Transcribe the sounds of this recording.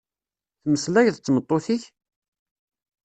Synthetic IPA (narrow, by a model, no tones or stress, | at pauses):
θməslæʝθət͡sːmət̪ˤːoθiç